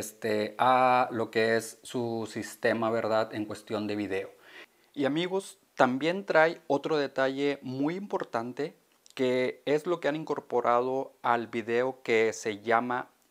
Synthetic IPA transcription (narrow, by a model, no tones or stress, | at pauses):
est̪ealo̞keesːusist̪e̞maβe̞ɾðaðe̞ŋkwe̞st̪jo̞nd̪e̞βiðe̞o | iamiɣo̞s | t̪ambje̞nt̪ɾajo̞t̪ɾo̞ð̞e̞t̪aʝe̞mujimpo̞ɾt̪ant̪e | ke̞ezlo̞keaniŋko̞ɾpo̞ɾʔað̞o̞albiðe̞o̞ke̞se̞ʝama